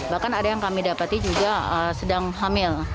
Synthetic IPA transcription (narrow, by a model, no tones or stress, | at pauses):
bahkanadajaŋkamidapat̪id͡ʒuɡaəsədaŋɦamɪl